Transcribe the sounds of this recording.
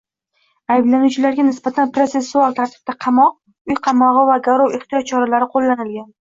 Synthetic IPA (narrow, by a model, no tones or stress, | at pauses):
ajblanut͡ʃʰɪlaɾɡʲanɪsbat̪ʰanpɾo̞t̪se̞sːualˠt̪ʰaɾt̪ʰɪ̥b̥̚t̪aqʰɑmɒq̚ | ʊjqʰɑmɒʁɨvaɡaɾowɪχt̪ʰɪjɒt̪̚t͡ʃʰɒɾalaɾɪqʰolːanɪlɡʲan